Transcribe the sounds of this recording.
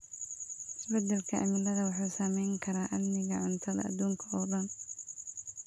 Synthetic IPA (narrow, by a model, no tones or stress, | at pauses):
ɪsbɐd̪ːɐlkʰɐʔɐ̰mɪlɐðɐwɑħuːsɐmɛjŋkʰɐɾaːʔɐdmɪɣɐʕʊnt̪ʰɐðɐ̰ʔɐ̰d̪uːŋkʰɐɔːdɐn